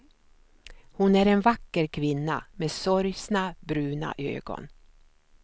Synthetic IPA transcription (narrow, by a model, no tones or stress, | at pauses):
hʊnæɾɛnvakːəɾkʰvɪnːameːsɔɾjsnabɾʉ̟ːna̰ʔø̰ːɡɔ̰n